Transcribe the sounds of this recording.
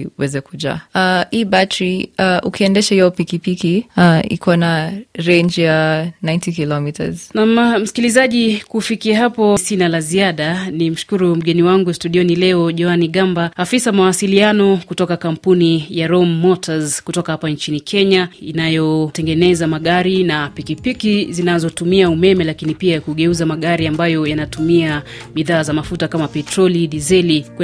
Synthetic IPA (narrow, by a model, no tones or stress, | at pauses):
uwɛzɛkuʄa̰aiːbatɾiaʔṵkiɛndɛʃahijɔpikipikiaḭkwanaɾɛɲd͡ʒjanãjntikilɔmita̰z̥namm̩skilizaʄikufikiaɦapɔsinalaziaɗanim̩ʃu̥kuɾum̩ɡɛniwaŋɡustuɗiɔnilɛɔʄɔaniɠambaafisamawasilianɔkutɔkakam̩punijaɾɔmːɔtʰazkutɔkahapaɲt͡ʃinikʰɛɲaḭnajɔtɛŋɡɛnɛzamaɠaɾinapikipikizinazɔtumiaumɛmɛlakinipiakuɠɛuzamaɠaɾiambajɔjanatumia | miðaːzamafutakamapɛtɾɔliɗizɛlik